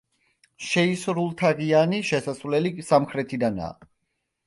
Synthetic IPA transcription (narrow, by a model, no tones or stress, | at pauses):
ʃɛisɾulˠt̪ʰaʁianiʃɛsasvlɛlisamχɾɛt̪ʰid̪ana̰ː